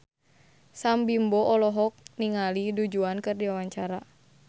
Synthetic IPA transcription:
sambimbɔʔɔlɔɦɔk̚niŋalidud͡ʒuankɨrdiwawaɲt͡ʃaɾa

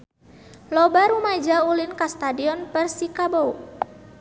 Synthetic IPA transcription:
lɔbaɾumad͡ʒaulinkast̪adiɔnpərsikabo

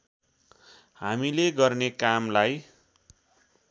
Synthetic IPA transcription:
hamileɡʌrnekamlaj

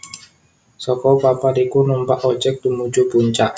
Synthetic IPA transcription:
sɔkɔpapaɾikunumpaʔɔd͡ʒɛk̚t̪umud͡ʒubuɲt͡ʃaʔ

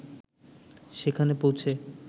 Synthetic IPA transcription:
ʃekʰanepowt͡ɕʰe

